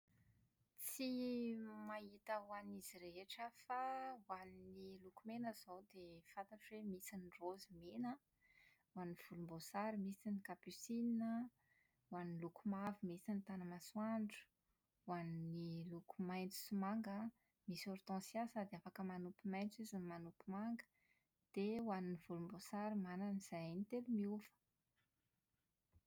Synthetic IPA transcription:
t͡si | maɦit̪əwaniziɾeeʈ͡ʂəfawaninilukumenəzowd̪efant̪aʈ͡ʂwemisinrozimenə | waniv̥ulumbosaɾimisinikapysinnə | wanlukumavimisinit̪anəmaswaɳɖ͡ʐu̥ | wannilukumajnt͡su̥simaŋɡə | misoɾt̪ɑ̃sjasad̪eafakəmanupimajnt͡sizunimanupimaŋɡə̥ | d̪̥ewaniniv̥ulumbosaɾimananiz̥ajnt̪elumiuvə̥

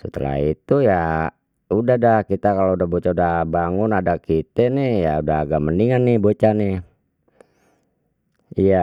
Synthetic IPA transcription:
sət̪ə̰la̰it̪uja | udahdahkit̪akaloudahbot͡ʃaudabaŋʊnadakit̪ɛnɪhjaudaɦaɡaʔməniŋanːɪbot͡ʃanɪ | ija

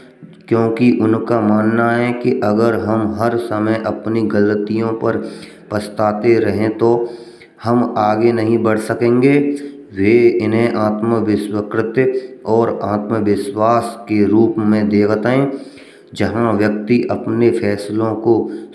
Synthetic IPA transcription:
kjõːkiʔʊnkamaːnːaɦɛkiʔɐɡəɾɦɐmɦɐɾsəməjʔɐpniɡələt̪ijõpɐɾ | pəst̪aːt̪eɾɐɦẽt̪o | hɐmaːɡenɐɦĩbɐɽ̤sɐkẽːŋɡeː | ʋeɪnɦẽʔaːt̪məʋɪswəkɾɪt̪jɔːɾaːt̪məʋɪʃwaːskeɾuːpmẽd̪eːkt̪ẽː | d͡ʒəɦãʋjək̚t̪iʔɐpnefʰɛːslõko

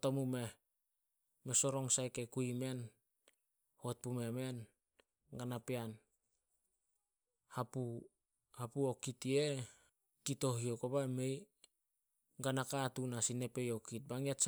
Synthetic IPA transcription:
tomume̞ | meso̞ɾo̞ŋsajkekuime̞n | hot̚pumeme̞n | ɡanapean | hapu | hapuokitie | kito̞ɦiokobame̞j | ɡanakatunasine̞pe̞jokit̚baŋiats

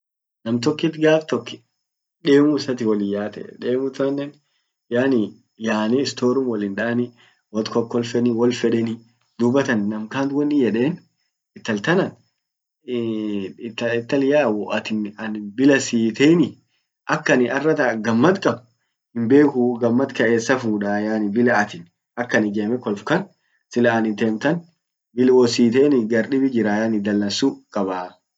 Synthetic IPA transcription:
nɐmt̪ɔkːɪt̪ɡaːft̪ɔkːɪ̥ | ᶑe̞ːmʊɪsɐt̪̬ɪwɐlɪjːaːt̪ɛ̰ᶑeːmʊt̪ːʊɐnːɛn | jaːnɪ | jaːniɪst̪oːɾʊmwɐlɪnᶑaːnɪ | wɐt̪kɔkːɔlfɛnɪwɐlfɛᶑɛnɪ | d̪ʊbːɐt̪ɐnːɐmkaːnt̪wɐnːɪjɛᶑe̞ːn | ɪt̪ːɐlt̪ɐnɐn | t̪ːɐɪt̪ːɐlɪjaːwɔʔɐt̪ɪnɐnbɪlɐsiːt̪eːnɪ | ʔɐkːɐnɪɐrːɐt̪ɐɡɐmːɐt̪kʼɐbʊ | hɪmbe̞ːkʊɡɐmːɐt̪kɐʔeːsːɐfuːᶑaːjaːnɪbɪlɐːt̪ɪn | ɐkːɐnɪɡeːmɛkɔlfkɐn | sɪlɐːnɪnt̪eːmt̪ɐn | bɪlwɔsiːt̪eːnɪɡɐɾɗɪbɪd͡ʒɪɾaːjaːnɪd̪ɐlːɐnsukʼɐbaː

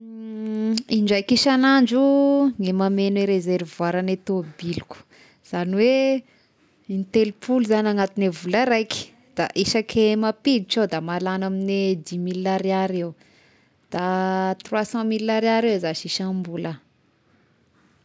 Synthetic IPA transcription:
iɳd͡ʒajkiʃanaɳd͡ʒuŋemamenweɾezeɾvwaɾanet̪obiluku̥ | z̥aniwe | int̪elipʰuluzanaŋat̪inevulaɾajki̥ | d̪̥a̰ʔiʃakʰemapilit͡ʃod̪amalanamined̪imilaɾeaɾew | d̪̥at̪rwasɑ̃milaɾaɾewzaʃiʃambulə

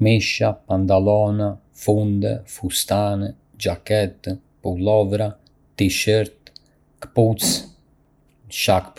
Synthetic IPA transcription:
miʃapant̪alɔna | fund̪ɛ̰fust̪anɛ | d͡ʒakɛt̪ | pulɔvɾa | t̪iʃəɾt̪ | kput͡s | ʃakp

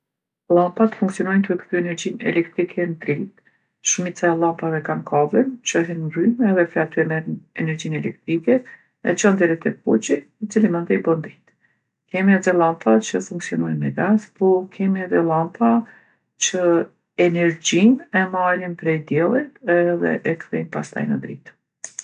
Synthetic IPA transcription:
lˠampat̪fuŋksiɔnɔjnkəɾkə̥t̪yɛnɛɾd͡ʑinɛ̰lɛkt̪ɾikʰɛnt̪ɾilt̪ | ʃumit͡saɛlˠampavɛkankʰavɛnt͡ʃəɦɛnmɾymɛðɛflat̪ɔmɛɛnɛɾd͡ʑinɛlɛk̚t̪ɾikɛ | ɛ̰t͡ʃənd̪ɛɾɛt̪ɛput͡ʃi | it͡silimɛnd̪ɔjbɔnd̪it̪ | kɛmiɛðɛlˠampat͡ʃəfuŋksiɔnɔjɛnmɛɡazpɔɾkʰɛmiɛðɛlˠampʰa | t͡ʃə | ɛnɛɾd͡ʒimɛmaɾinpɾɛjd̪jɛlˠit̪ɛðɛ̰ʔɛkθɛjnpast̪a̰jnəd̪ɾḭt̪

